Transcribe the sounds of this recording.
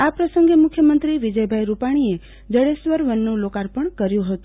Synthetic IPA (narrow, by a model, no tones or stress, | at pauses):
apɾəsəŋɡemʊkʰjəmənt̪ɾiʋid͡ʒəjbʱajɾupaɽ̃ie | d͡ʒəɽesʋəɾʋənːũlokaɾpəɳkəɾjũɦət̪ũ